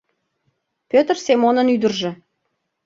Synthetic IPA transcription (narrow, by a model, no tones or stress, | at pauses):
pʲøt̪rsemonə̆nyd̪ə̆rʒĕ